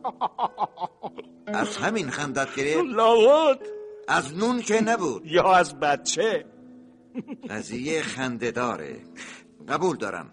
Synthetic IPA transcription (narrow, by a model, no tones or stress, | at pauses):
æzhæminxænd̪æt̪̚ɡeɾelɒːbud̪̥æznuːnkʰenæbuːd̪̥̚jɒːæzbæt̪̚t͡ʃʰe | ɢæzijexænd̪ed̪ɒːɾḛ | ɢæbuːld̪ɒ̰ːɾʔæ̰m